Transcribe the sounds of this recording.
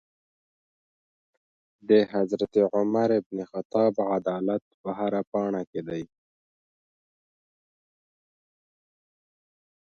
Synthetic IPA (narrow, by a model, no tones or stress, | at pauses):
d̪əɦazɾat̪eʕʊmaɾɪbnexat̪ɑbʕad̪ɑlat̪̚pəɦaɾapɑɳaked̪aj